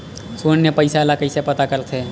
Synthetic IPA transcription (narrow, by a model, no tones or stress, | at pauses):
sonjepəɪsalakəɪsepət̪akəlt̪ʰe